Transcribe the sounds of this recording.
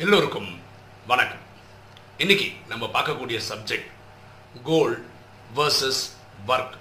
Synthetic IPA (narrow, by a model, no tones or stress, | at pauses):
ɪlːoɾɯkːɯm | ʋɐɳɐkːɐm | ɪnːɪkʲːɯnɐmːɐpaːɾkɐkːuːɽɪjɐsɐb̚d͡ʒɛk̚ʈ | ɡoːlɖ | ʋɐɾsɐs | ʋɐɾk